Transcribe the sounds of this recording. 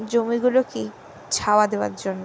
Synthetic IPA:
d͡ʑomiɡuloke | t͡ɕʰaoad̪eoa̰ɾd͡ʑonːo

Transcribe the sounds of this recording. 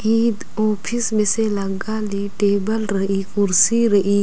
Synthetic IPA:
iːd̪oːpʰisbeselɐɡaːliʈeːbəlɾəiːkʊɾsiɾɐʔiː

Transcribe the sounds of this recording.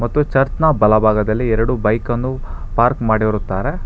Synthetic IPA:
mɐt̪ːut͡ʃɐɾt͡ʃɐnɐbɐlɐbʱaːɡɐd̪ɐlːiɛɾɐɽubɐjkɐnːu | paːɾkmaːɽiʋɐɾut̪ːaːɾe̞

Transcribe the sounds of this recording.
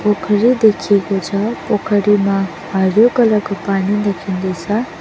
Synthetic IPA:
pokʰəɾid̪ekʰjekot͡sʰʌpokʰəɾimã | ɦaɾjokʌləɡpanid̪ekʰind̪it͡sʰʌ

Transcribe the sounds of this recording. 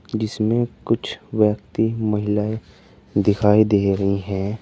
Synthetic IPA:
d͡ʒɪsmẽkʊt͡ʃʰwjək̚t̪imɐɦɪlaːe | d̪ɪkʰaːid̪eːɾɐɦiɦɛ̃ː

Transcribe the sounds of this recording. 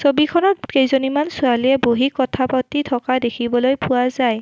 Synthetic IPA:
sobikʰɔnɔtejzonimansʊaliɛboɦikɔtʰapɔtitʰɔkadekʰibɔlojpʊwazaj

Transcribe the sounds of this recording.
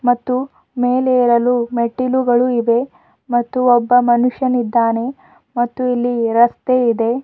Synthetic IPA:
mɐt̪ːu | meːleːɾɐlumeʈːiluɡɐɭuiʋe̞ | mɐt̪ːuɔbːɐmɐnuʂjɐnid̪ːaːne̞ | mɐt̪ːuilːiɾɐst̪eid̪e̞

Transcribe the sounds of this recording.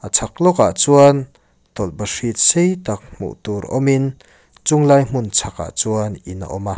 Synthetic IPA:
ʔat͡sʰak̚lɔkaʔt͡suɐn | t̪ɔlbɐʂit̪̚sejt̪ak̚m̥ṵʔt̪uɾʔɔ̰min | t͡sʊŋlaːjm̥ʊnt͡sʰaka̰ʔt͡suɐnina̰ʔɔma

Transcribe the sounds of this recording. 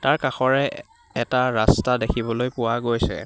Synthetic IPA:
taɹkaxɔɹɛ | ɛtaɹastadekʰibɔlojpʊwaɡojsɛ̰

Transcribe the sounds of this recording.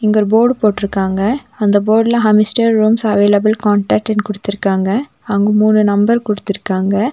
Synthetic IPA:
ɪŋɡɐɔɾɯboːɖpoːʈːɪɾɯkːaːŋɡɐɐnd̪ɐboːɖɪlɐɦɐmɪsʈɐɾːuːmsɐʋeːlɐbɐlkaːɳʈɐk̚ʈɛnkɔɽɯt̪ːɪɾɯkːaːŋɡɐ | ɐŋɡɯmuːnɯnɐmbɐɾkɔɽɯt̪ːɪɾɯkːaːŋɡɐ

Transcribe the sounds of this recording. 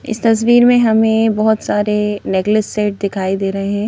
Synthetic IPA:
ɪ̰st̪ɐs̬ʋiːɾmẽɦɐmẽbɔɦʊt̪saːɾeneːklɪsːeːʈ̚d̪ɪkʰaːid̪eːɾɐɦeɦɛ̃ː

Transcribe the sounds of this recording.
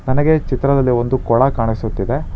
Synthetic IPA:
nɐnɐɡe̞t͡ʃit̪ɾɐd̪ɐlːio̞nd̪ukɔɭɐkaːɳisut̪ːid̪e̞

